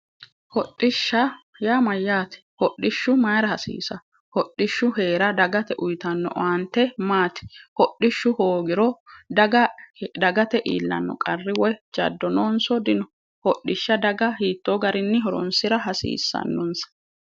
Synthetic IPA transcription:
hɔɗːɪʃːɐ | jaːmɐjːaːt̪ɛ̥hɔɗːɪʃːʊmɐjɾɐhɐsḭːsɐ | hɔɗːɪʃːʊhe̞ːɾɐd̪ɐɡɐt̪ɛʔʊjt̪ɐnːɔ̰ʔant̪ːɛmaːt̪ɪ̥hɔɗːɪʃːʊhoːɡɪɾɔd̪ɐɡɐd̪ɐɡɐt̪ɛʔḭːlːɐ̰nːɔ̰kʼɐrːɪwɔd͡ʒɐ̰d̪ːɔnoːnsɔd̪ɪnɔ | hɔɗːɪʃːɐd̪ɐɡɐhiːt̪ːoːɡɐɾɪnːɪɦɔɾɔ̰nsɪɾɐɦɐsḭːsːɐ̰nːɔnsɐ̥

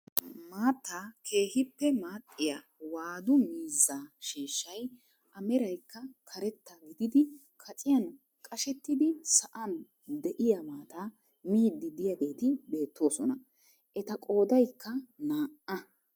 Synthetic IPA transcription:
maːt̪ːaːkʰe̞ːhɪpːɛmaːt̪ʼːɪja | waːd̪ʊmiːzːaːʃiːʃːɐj | ʔɐmɛɾɐjkːɐkʰɐɾɛt̪ːaɡɪd̪ɪd̪ɪ | kʰɐt͡sʼɪjɐn | kʼɐʃɛt̪ːɪd̪ɪsɐʔɐn | d̪ɛʔɪjɐmaːt̪aː | miːd̪ːɪd̪ɪjaɡe̞ːt̪ɪbe̞ːt̪ːo̞ːsɔnɐ | ʔɛt̪ɐkʼo̞ːd̪ɐjkːɐnaːʔɐ

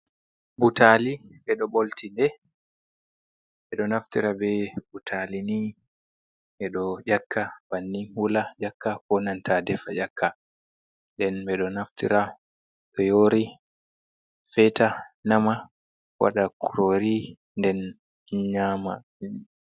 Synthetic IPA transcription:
butʰaliɓɛɗɔɓoltindɛ | ɓɛɗɔnaftiɾabɛbutʰalini | ʔɛɗɔd͡ʒakʰːab̥anːihulad͡ʒakːakɔnantʰadɛfajakːa | nɗdɛnbɛɗɔnaftḭɾʔa | ɗɔjoɾi | fɛtanama | wʔa̰ɗakuɾoɾi | ndɛn | ɲama̰

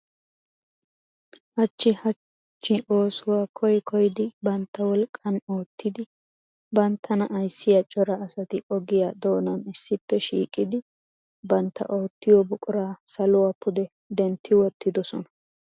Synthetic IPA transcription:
hɐt͡ʃːɪhɐ | t͡ʃːɪʔo̞ːsʊwaːkʰɔjkʰɔjɪd̪ɪbɐnt̪ːɐwɔlkʼːɐnoːt̪ʰːɪd̪ɪ | bɐnt̪ʰːɐnɐʔɐjsːɪjɐt͡ʃʼɔɾɐːsɐt̪ɪɔɡɪjaːd̪o̞ːnɐnɪsːɪpːɛʃḭːkʼːɪd̪ɪ | bɐnt̪ʰːɐ̰ʔo̞ːt̪ːɪjɔbʊkʼʊɾaːsɐlʊwaːpʰʊd̪ɛ | d̪ɛnt̪ːɪwɔt̪ːɪd̪ɔsɔnɐ

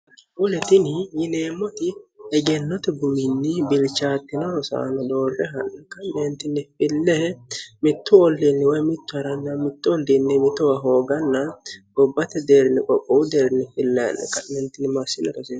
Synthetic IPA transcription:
ʊlɛt̪ɪnɪjɪneːmːɔt̪ɪɛɡɛnːɔt̪ɛɡʊmɪnːɪbɪlt͡ʃaːt̪ːɪnɐɾɔsa̰ːnɔd̪o̞ːrːɛɦɐnɐkːɐmeːnt̪ɪnːɪfɪlːɛhɛmɪt̪ːʊɔlːinːɪwɔjmɪt̪ːʊɐɾɐnːɐmɪt̪ːʊɔlːinːɪmɪt̪ːʊwɐɦo̞ːɡɐnːɐbɔbːɐt̪ɛd̪eːɾɪnɪkʼɔkʼːɔʊd̪eːɾɪnɪfɪlːɛ̰n̰kɐmɛnt̪ːɪnːɪmasɪnɛkɐseː

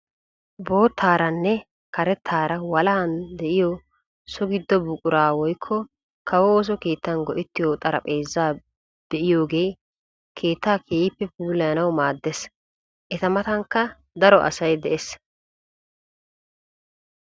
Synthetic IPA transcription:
bo̞ːt̪ʰːaːɾɐnːɛ | kɐɾɛt̪ʰːaːɾɐwɐlaɐnd̪ɛʔɪjɔ | sɔɡɪd̪ːɔbʊkʼʊɾaːwɔjkʰːɔ | kʰɐwɔoːs̬ɔke̞ːt̪ːɐnɡɔʔɪt̪ːɪjoːt̪ʼɐɾɐ̰pʼe̞ːzːaː | b̪̥ɛʔɪjo̞ːɡe̞ː | kʰe̞ːt̪ːaːkʰeːpːɛpuːlɐjɐnɐwmaːd̪ːɛs | ʔɛt̪ɐmɐt̪ɐŋkːɐ | d̪ɐɾɔʔɐ̰sɐjd̪ɛʔes

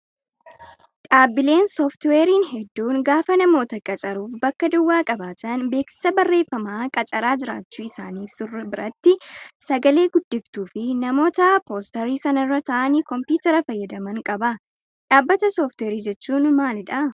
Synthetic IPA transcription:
ᶑʼaːbɪle̞ːnsoːft̪we̞ːɾiːnɦɛd̪ːuːŋɡaːfɐnɐmo̞ːt̪ɐkʼɐt͡ʃʼɐɾuːfbɐkːɐd̪ʊwːaːkʼɐbaːt̪ɐnbe̞ːksɪ̥sɐbɐrːe̞ːfːɐmaːkʼɐt͡ʃʼɐɾaːd͡ʒɪɾa̰ːt͡ʃːuːɪsaːniːfsʊrɐbɪɾɐt̪ːɪsɐɡɐle̞ːɡʊd̪ːɪft̪uːfɪnɐmo̞ːt̪ɐpo̞ːst̪ɐɾiːsɐnɐrːɐt̪ɐʔɐnikɔmpjuːt̪ɐɾɐfɐjːɐd̪ɐmɐŋkʼɐbɐ | ᶑaːbːɐt̪ɐsoːft̪weːɾiːd͡ʒɛt͡ʃːuːnmaːlɪᶑɐ

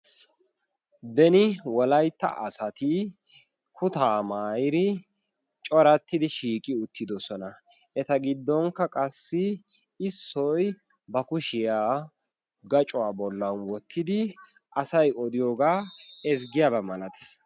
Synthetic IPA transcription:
d̪ɛnɪwɔlɐjt̪ːɐ̰ʔɐsɐt̪ɪ | kʰʊt̪aːmaːjɪɾɪ | t͡ʃʼɔɾɐt̪ːɪd̪ɪʃiːkʼɪʊt̪ʰːɪd̪ɔsɔnɐ | ʔɛt̪ɐɡɪd̪ːɔŋkːɐkʼɐsːɪ | ɪsːɔj | bɐkʊʃɪjaː | ɡɐt͡ʃʼʊwaːbɔlːɐnwɔt̪ʰːɪd̪ɪ | ʔɐsɐjɔd̪ɪjoːɡaːɛzɡɪjaːbɐmɐlɐt̪ɪ̥s

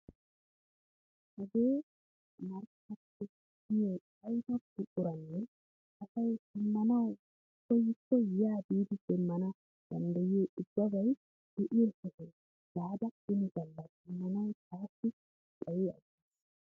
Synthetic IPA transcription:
hɐɡeː | mɐɾkɐtːɛ | ɡɪjeːt͡ʃʼɐjt̪ɐtːɪʔʼʊɾɐnːɛ | ʔɐsɐjtɪmːɐnɐw | kːɔjɪkːɔjaːbiːd̪ɪd̪ɛmːɐnɐ | d̪̥ɐnd̪ɐjeːʔʊbːɐbɐj | d̪̥ɛʔɪjɛsɔsɛ | d̥aːd̪ɐɪnɪɡɐlːɐtɪmːɐnɐwkaːsːɪ | kʼɐjeɐ̰ɡis

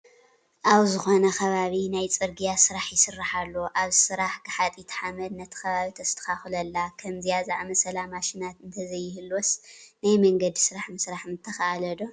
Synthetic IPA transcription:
ʔawzɨxo̞nɐxʰɐβaβinajt͡sʼɨɾɡijasɨɾaħjɪsɨrːaħalːoʔaβsɨɾaħɡɨħat̪ʼit̪ʰħamɐd̪nɐt̪ʰɐ̥xɐβaβit̪ʰɐst̪ʰɐ̥xaxɨlɐlːakʰɐmzijazaʔmɐsɐlamaʃɪnat̪ɨnt̪ʰɐzɐjːɪhɨlwosnajmɐŋɡɐd̪isɨɾaħmɨsɾaħnɨt̪ʰːɐxaʔalɐd̪o

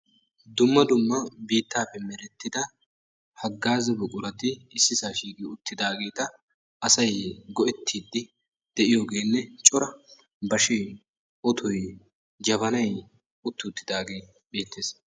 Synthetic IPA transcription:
d̪ʊmːɐd̪ʊmːɐbiːt̪ːaːpːɛmɛɾɛt̪ːɪd̪ɐ | hɐɡːaːzɛbʊkʼʊɾɐt̪ɪɪsːɪsaːʃiːkiʊt̪ːɪd̪aːɡeːt̪ɐ | ɐsɐjɡɔʔɛt̪ʰːiːd̪ːɪ | d̪̥ɛʔɪjoːɡe̞ːnːɛt͡ʃʼɔɾɐ | bɐʃeː | ɔt̪ʰɔj | d͡ʒɐβɐnɐj | ʊt̪ːɪʊt̪ːɪd̪aːɡeː | beːt̪ʰːeːs

